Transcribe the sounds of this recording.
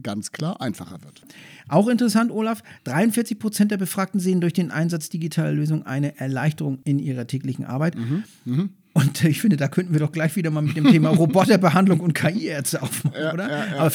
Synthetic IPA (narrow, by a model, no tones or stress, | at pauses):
ɡ̥ant͡skʰl̥aːɐʔaɪnfaχɐ̰vɪɐtʔaʊxɪntəʁɛsantʔoːlafd̥ʁaɪʊntfɪɐt͡sɪçpʁ̥ot͡sɛntdeɐbəfʁ̥aːk̚tn̩zeːəndʊɐçd̥eːnʔa̰ɪnzat͡sd̥iɡitʰaːləløːzʊŋʔa̰ɪnəʔɛɐlaɪçtəʁʊŋɪnʔiːʁɐtʰɛːklɪçn̩ʔa̰ɐbaɪt | ʔʊntɪçfɪndədaːkʰœntn̩viːɐdɔχɡ̥laɪçv̥iːdɐmaːlmɪt̚d̥eːmtʰeːmaʁobɔtɐbəɦandlʊŋʊntkʰaːʔiːɛɐtstəʔaʊfmanʔoːdɐaːbɐ